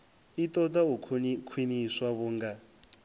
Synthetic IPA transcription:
itʼɔt̪aukkʰwiniswaβuːŋɡa

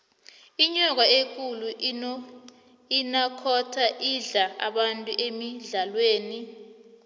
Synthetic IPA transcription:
iɲɔk̬waek̬ʼulu | inakʰɔtʰaʔiɮaa̰ɓantʼuʔemiɮalweːni

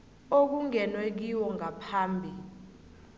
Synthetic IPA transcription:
ok̬uŋɛnwek̬iwɔŋʱapʰaːmbʱi

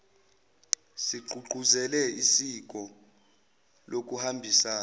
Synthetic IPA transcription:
siɡ͡ǃʱuǃʱuzɛlɛisik̬ʼɔ | lok̬ʼuhambʱisaː

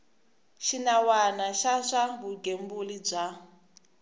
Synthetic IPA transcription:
ʃinawanaʃaʂabuɡembulib͡ʐʷa

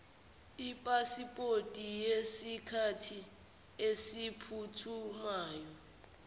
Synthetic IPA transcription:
ipʼasipʼotʼijesikʰatʰi | esipʰutʰumaːjɔ

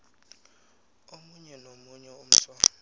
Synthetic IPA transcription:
omuɲɛnomuɲɛum̩sɔː

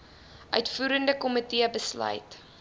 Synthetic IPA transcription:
ʔœɥtfuːɾəndəkɔmətiəbəslœ̰jt

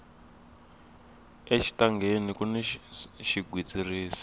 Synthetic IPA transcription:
eʃi̥taŋɡʱenikunɛʃiɡʱwid͡ziriːsi̥

